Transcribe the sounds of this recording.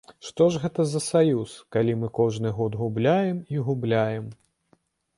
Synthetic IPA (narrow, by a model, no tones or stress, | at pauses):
ʂt̪ɔʐɣɛt̪ɐzɐsajuskalʲimɨkɔʐnɨɣɔd̪ɣublʲajɛmiɣublʲajɛm